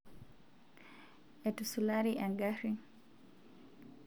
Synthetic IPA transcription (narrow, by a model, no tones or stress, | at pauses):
ɛtusulaɾiʔaŋɡaɾi